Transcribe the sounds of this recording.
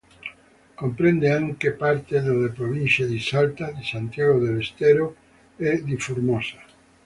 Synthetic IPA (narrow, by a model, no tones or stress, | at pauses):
kompɾẽnd̪eãŋkepaɾt̪eðelepɾoβinθjaðisalt̪aðisant̪jaɣoðelest̪eɾo | ɛd̪ifuɾmosḁ